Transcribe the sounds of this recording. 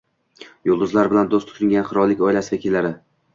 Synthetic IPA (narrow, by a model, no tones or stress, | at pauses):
jolˠd̪ʊzlaɾbɪland̪ost̪ʰʊ̥t̪ʰɪŋɡʲanχɨɾɒlːɪkʲɒjlasɪd̪ʲakʰʲelaɾɪ